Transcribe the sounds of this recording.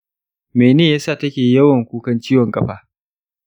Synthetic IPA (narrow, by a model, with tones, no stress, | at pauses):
meː˨neː˦˨jaː˦saː˦˨tɐ˦kʲeː˨jɐ˦wɐ˨ŋkʷuː˦kɐ˦nt͡ʃiː˦wɔ˨ŋkʼɐ˦ɸaː˨